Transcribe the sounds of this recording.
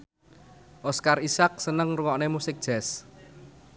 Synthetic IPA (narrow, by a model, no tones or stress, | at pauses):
ʔɔskarisak̚sənəŋruwɔʔnemusɪk̚d̥ʒ̥ɛ̤s